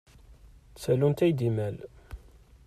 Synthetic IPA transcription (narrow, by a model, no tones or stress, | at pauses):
t͡sːælunt̪æjd̪imæl